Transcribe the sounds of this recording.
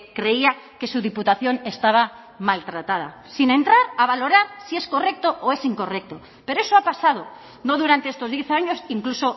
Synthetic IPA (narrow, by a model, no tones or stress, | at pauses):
kɾe̞iake̞suðiput̪aθjo̞ne̞st̪aβ̞a | malt̪ɾat̪að̞a̰ | sinẽ̞nt̪ɾaɾaβ̞alo̞ɾaɾsie̞sko̞re̞k̚t̪oʔoe̞siŋko̞rek̚t̪o̞ | pe̞ɾoe̞soapasað̞o̞ | no̞ðuɾant̪eest̪o̞zðje̞θaɲo̞siŋkluso̞